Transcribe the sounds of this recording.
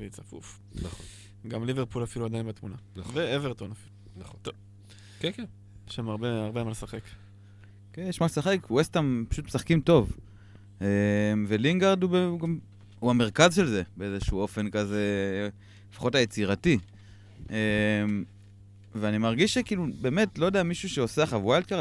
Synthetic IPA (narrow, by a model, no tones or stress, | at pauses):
vet͡safṵf | naχon | ɡamliveʁpulafiluad̪ajnbet̪munanveeveʁt̪onaf | naoo | keken | ʃamaʁbeaʁbemalesaχek | keneʃmalsaχekuwest̪ampḁʃut̪mesaχkimto̞v | emve̞liŋɡaʁd̪ubeɡam | huame̞ʁkazʃe̞lze̞beezeʃuo̞fe̞nkaze̞ | fḁχo̞tajet͡siʁati | em | veanimaʁɡiʃːekiːlube̞ːme̞tlo̞jodeamiʃuʃeo̞seaχavajlt̚ka